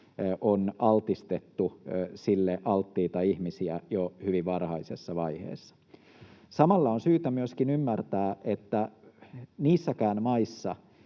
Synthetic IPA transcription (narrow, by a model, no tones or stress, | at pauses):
ʔonɑlt̪ist̪et̪ːusilːeʔɑlt̪ːiːt̪ɑiihmisiæjohyʋiʋʋɑrhɑisesːɑʋɑihḛːsːɑ̥ | sɑmɑlːɑonsyːt̪æmyøskinymːært̪æːʔet̪ːæ | niːsːækæːnmɑisːɑ